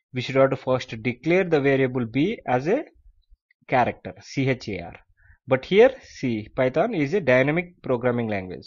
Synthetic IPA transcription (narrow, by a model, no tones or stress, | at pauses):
ʋiʃʊɖaːʈufəːɾsʈuɖɪkleːɾd̪əʋeːɾiəbəlbiːæze | kæːɾek̚ʈəɾsiːɦet͡ʃea̰ːɾ | bɐʈhiəɾsiːpaɪt̪ãːnizeɖaɪnɛmɪk̚pɾoːɡɾæːmɪ̃ŋɡlæ̃ŋɡʋḛd͡ʒ